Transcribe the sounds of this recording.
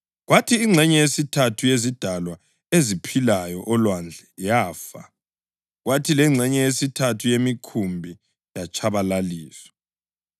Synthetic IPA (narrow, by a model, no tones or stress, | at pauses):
ɣwatʰiːŋ͡ǀʱɛɲɛjesitʰatʰujezid̥ʱalwa | ezipʰilajɔʔɔlwand͡ɮʱɛjaːfa̰ | ɣwatʰilɛŋ͡ǀʱɛɲɛjesitʰatʰujemikʰumbʱi | jat͡ʃʰʼaβalaliːswɛ̥